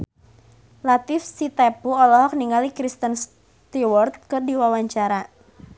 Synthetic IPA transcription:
lat̪ɪfsit̪ɛpuɔlɔɦɔk̚niŋalikɾist̪əns | t̪iwɔrt̪̚kɨrdiwawaɲt͡ʃaɾa

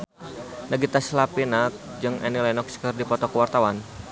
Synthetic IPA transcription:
naɡit̪aslapinak̚d͡ʒɨŋʔɛ̰nilanɔkskərdipɔt̪ɔkəwart̪awan

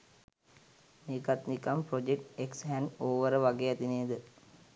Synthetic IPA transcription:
niːkat̪nikampɾod͡ʒekʈeksɦænoːʋəɾəʋaɡeːat̪ineːd̪ɨ

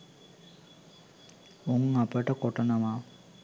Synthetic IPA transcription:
oŋapəʈəkoʈənəʋaː

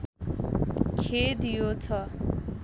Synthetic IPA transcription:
kʰed̪ijot͡sʰʌ

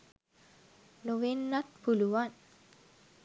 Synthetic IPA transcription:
noʋenːat̪puluʋan

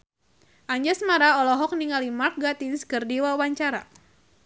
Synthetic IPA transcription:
ʔaɲd͡ʒasmaɾaɔlɔɦɔk̚niŋalimark̚ɡat̪inskərdiwawaɲt͡ʃaɾa̰

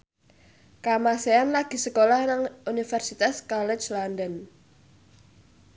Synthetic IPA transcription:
kamaseanlaɡ̥i̤səkolahnaŋunifərsit̪askalɛt͡ʃlandən

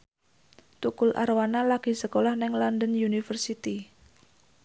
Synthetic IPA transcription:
t̪ukʊlʔa̰ɾwanalaɡ̥i̤səkolahnɛŋlɔnd̪ənjunifərsit̪i

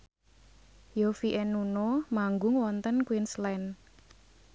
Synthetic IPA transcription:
jofiʔɛnunomaŋɡʊŋwɔnt̪ənkwinslɛn

